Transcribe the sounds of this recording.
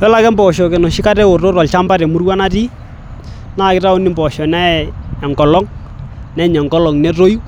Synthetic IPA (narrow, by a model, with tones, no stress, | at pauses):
ɛ˦la˦kɛ˦mbɔ˨ʃɔ˨ke˨nɔ˨ʃɪ˦ka˦tɛ˦o˨ro˦ɾɔ˨lt͡ʃa˦mba˦tɛ˨mu˦rwa˦na˦ti˦ | na˦˨kɪ˦ta˦u˦ni˦mbɔ˨ʃɔ˨nɛ˦ɛ˨ŋɡɔ˨lɔ˦ŋ | nɛ˨ɲɛ˨ŋɡɔ˦lɔ˨ŋnɛ˦ro˦ju˦